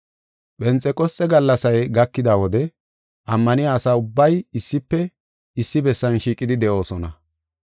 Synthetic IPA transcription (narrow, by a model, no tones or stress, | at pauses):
ɓɛnt͡sʼːɛkʼɔsʼːɛɡɐlːɐsɐjɡɐkːɪd̪aːwɔd̪ɛ | ʔɐmːɐnɪjaːsaːʊbːɐjɪsːɪpːɛ | ɪsːɪbɛsːɐnʃiːkʼɪd̪ɪd̪ɛʔo̞ːsɔnɐ